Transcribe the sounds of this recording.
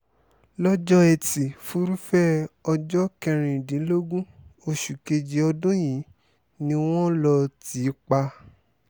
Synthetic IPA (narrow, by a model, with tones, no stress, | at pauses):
lɔ˦d͡ʒɔ˦ɛ˧ti˨fu˨˦ɾu˦fɛ˦ɔ˧d͡ʒɔ˦kɛ˧ɾ̃ĩ˨dĩ˨˦lo˦ɡũ˦o˧ʃu˨ke˧d͡ʒi˧˦ɔ˧dũ˦jĩ˨˦ | nĩ˧w̃ɔ̃˦lɔ˧ti˨˦k͡pa˧